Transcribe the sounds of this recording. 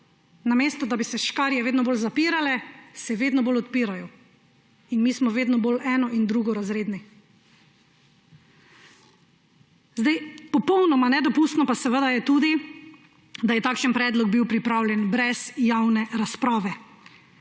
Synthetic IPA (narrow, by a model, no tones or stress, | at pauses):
nameːst̪ɔd̪abisɛʃkaɾjɛʋeːd̪nɔbolzapiːɾalɛsɛʋeːd̪nɔboːlɔt̪piːɾajɔ | inmiːsmɔʋeːd̪nɔboːlʔɛːnɔʔind̪ɾuɡɔɾazɾeːd̪ni | zd̪ajpɔpɔwnɔmanɛd̪ɔpust̪nɔpasɛʋəd̪ajɛt̪uːd̪i | d̪ajɛt̪aːkʃənpɾɛːd̪lɔɡ̚biwpɾipɾaːwljɛnbɾɛzjawnɛɾaspɾaːʋɛ